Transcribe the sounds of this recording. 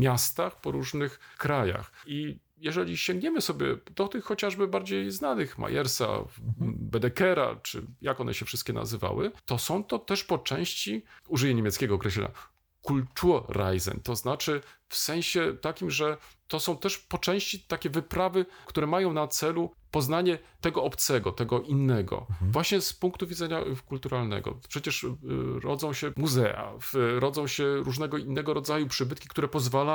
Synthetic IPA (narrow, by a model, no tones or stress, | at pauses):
mʲjast̪axpɔɾuʐnɘxkɾaja̰xi | jɛʐɛlʲiɕɛ̃ŋɡɲɛmɘsɔbʲjɛ̰d̪ɔt̪ɘxːɔt͡ɕaʐbɘbaɾd͡ʑejznanɘxmʔa̰jʔɛɾsa̰ | bɛd̪ɛkɛɾa̰t͡ʂɘ̰jakɔnɛ̰ɕɛfʂɘst̪̚kʲɛnʔa̰zɘva̰wɘ̰t̪ɔsɔ̃w̃t̪ɔt̪ɛʂpɔt͡ʂɛ̃w̃ɕt͡ɕiuʐɘvɛɲemʲɛt̪skʲɛɡɔːkɾɛɕlɛ̰ɲa̰ | kult̪uɾa̰jzɛ̰nt̪ɔznat͡ʂɘfsɛ̃w̃ɕɛt̪akʲimʐɛt̪ɔsɔ̃w̃t̪ɛʂpɔt͡ʂɛ̃w̃ɕt͡ɕit̪akʲɛvɘpɾavɘkt̪uɾɛmajɔ̃w̃nat̪sɛlupɔznaɲɛt̪ɛɡɔɔpt̪sɛɡɔt̪ɛɡɔʔinːɛɡɔ̰vwaɕɲɛspuŋkt̪uvʲid̪zɛɲakult̪uɾalnɛ̰ɡɔ̰pʂɛt͡ɕɛʂɾɔ̰d̪zɔ̃w̃ɕɛmuzɛ̰a̰fɾɔd̪zɔ̃w̃ɕɛɾuʐnɛɡɔinːɛɡɔɾɔd̪zajupʂɘbɘt̪kʲi̥kt̪uɾɛpɔzvala